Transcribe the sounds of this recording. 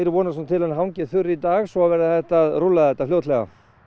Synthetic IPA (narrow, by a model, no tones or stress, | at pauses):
ɾɪvɔːnasɔnt̪ʰɪlɛnɦawɲcɪθʏɾit̪aːɣsɔavɛːɾɪθɛht̪aðɾʊlːaðθɛt̪ːafljowt̪lɛɣa̰